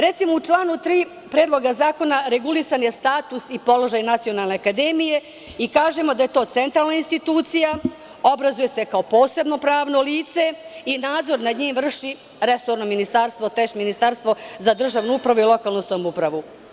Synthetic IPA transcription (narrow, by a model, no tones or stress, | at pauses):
ɾe̞t̪simout͡ʂlˠaːnut̪ɾiː | pɾeːd̪lˠo̞ɡazaːko̞naɾe̞ɡulisanjest̪aːt̪usipo̞lo̞ʒajnat̪sio̞nalˠne̞akad̪e̞mije̞ | ikaːʒe̞mo̞d̪aje̞t̪o̞ːt̪se̞nt̪ɾaːlˠnainst̪it̪uːt̪sija | o̞bɾazuje̞se̞kaopo̞ːse̞bno̞pɾaːʋno̞liːt̪se̞inaːd̪zo̞ɾnad̪ɲiːmvr̩ʃi | ɾe̞soɾnominist̪aɾst̪ʋo̞t̪eʃminist̪aɾst̪ʋozad̪r̩ʒaʋnuupɾaʋuilˠo̞kaːlˠnusamupɾaʋu